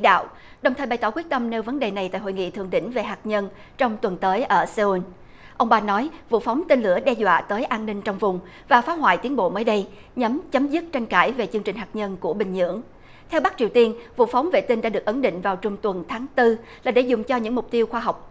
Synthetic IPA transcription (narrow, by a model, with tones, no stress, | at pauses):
ḭ˧˥ɗa̰ː˧˨w | ɗə˨˩wŋ͡mt̪ʰəː˨˩ɓa˨˩jt̪ɔː˧˩kwət̪ə˧mne˧wvə˨˦nɗe˨˩na˨˩jt̪a̰ː˧˨jɦo̰˧˨jŋḭ˧˨t̪ʰɨ̰˧˨əŋɗḭ̈˧˥˨ŋ̟ve˨˩ɦaː˨˩k̚ɲə˧n | t͡ɕɔ˧wŋ͡mt̪wə˨˩nt̪əː˨˦jʔəː˧˩se˧u˧n | ʔə˧wŋ͡mɓaː˧nɔ˨˦jvṵ˧˨fa˨˦wŋ͡mt̪i˧nlɨ̰˧˩əɗɛ˧zwa̰ː˧˨t̪əː˨˦jʔaː˧nːï˧ŋ̟t͡ɕɔ˧wŋ͡mvʊ˨˩ŋ͡m | vaː˨˩faː˨˦ɦwa̰ː˧˨jt̪i˨˦ənɓo̰˧˨məː˨˦jɗə˧j | ɲə˨˦mt͡ɕə˨˦mzɨ˦˥t̚t͡ɕa˧jŋ̟kaː˧˩jve˨˩t͡ɕɨ˧əŋt͡ɕi˨˩ŋ̟ɦaː˨˩k̚ɲə˧nku˧˩əɓï˨˩ŋ̟ɲɨ̰˧˥əŋ | t̪ʰɛ˧wɓa˦˥k̚t͡ɕi˨˩əwt̪i˧ənvṵ˧˨fa˨˦wŋ͡mvḛ˧˨˩t̪i˧ŋɗa̰ː˧˥ɗɨ˨˩ək̚ʔə˨˦nɗḭ˧˨ŋ̟vaː˨˩wt͡ɕʊ˨˩ŋ͡mt̪wə˨˩nt̪ʰaː˨˦ŋt̪ɨ˧laː˨˩ɗe˧˩zʊ˨˩ŋ͡mt͡ɕɔ˧ɲɨ̰˧˥ŋmʊ˨˩k͡p̚t̪i˧əwxwaː˧ɦa˨˩wk͡p̚